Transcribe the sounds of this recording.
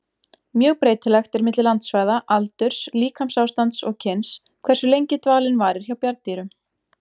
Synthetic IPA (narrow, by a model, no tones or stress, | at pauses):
mjœːɣpɾeːjt̪ɪlɛxt̪ɛɾmɪt̪lɪlant̪svaːjðaʔalt̪ʏɾ̥sliːkʰamsawst̪ant̪sɔɣcʰɪns | kʰvɛr̥sʏlejɲcɪt̪vaːlɪnvaːɾɪɾ̥çawpjaɾt̪iːɾʏm